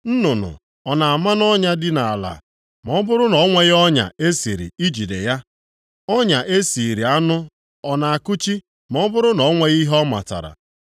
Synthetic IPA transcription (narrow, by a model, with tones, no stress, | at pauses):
n̩˦nʊ˨nʊ̰˨ | ɔ˨na˨a˨ma˦n˦ɔ˦ɲa˦dɪ˦na˨a˨la̰˨ | m˨ɔ˦bʊ˦ɾʊ˦nɔ˨˦ŋʷe˦ɣɔ˦ɲa̰˨e˦si˨ɾḭ˨i˦d͡ʒi˨de˨ja˦ | ɔ˦ɲa˨ʔe˦si˨ɾi˨a˦nʊ˦ | ɔ˨na˨a˨kʊ˦t͡ʃi˦ | m˨ɔ˦bʊ˦ɾʊ˦nɔ˨˦ŋʷe˦ɣi˦ɦɔ˦ma̰˨ta̰˨ɾa̰˨